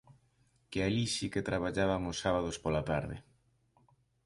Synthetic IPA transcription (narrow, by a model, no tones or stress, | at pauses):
kealiʃiket̪ɾaβ̞aʎaβaŋʊsaβað̞ospolat̪aɾðɪ̰